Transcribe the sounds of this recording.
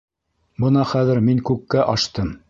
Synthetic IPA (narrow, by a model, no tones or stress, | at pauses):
bɤnɑχæðɘ̆ɾmiŋkʉkːæʔɑʃt̪ɤm